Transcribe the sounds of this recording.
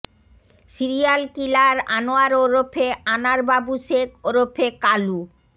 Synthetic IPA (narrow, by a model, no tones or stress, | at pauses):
siɾijalkilaɾa̰noaɾoɾopʰeanaɾbabuʃekoɾopʰekalu